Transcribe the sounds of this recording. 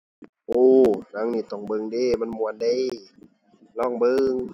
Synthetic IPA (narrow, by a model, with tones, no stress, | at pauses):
ʔoː˧˩na˧˥˨ŋniː˧˩t̪ɔ˧˩ŋbɤ˧˨ŋdeː˧˩˨ma˧˥˨nmu˧˨ə˨nda˧˩˨j | lɔː˧˥˩ŋbɤ˧ŋ